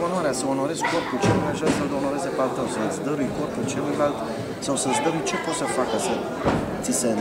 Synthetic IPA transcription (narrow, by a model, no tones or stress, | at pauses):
onwaɾeasəo̞no̞ɾe̞zko̞rpult͡ʃelujmajʒaɾsəld̪o̞no̞ɾe̞zepalt̪əwsəɨt̪sʲd̪əɾujko̞rpult͡ʃelujlalt̪ | sawsəɨt̪sʲd̪əɾujt͡ʃe̞pot̪səfakəsə | t̪sise